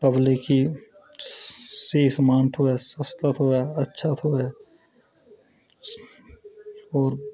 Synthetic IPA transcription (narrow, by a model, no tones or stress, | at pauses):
pəbliki | siːsmãːɳʈʰoɛsəst̪ət̪ɦoɛɐtːʃʰat̪ʰoɛ | ɔːɾ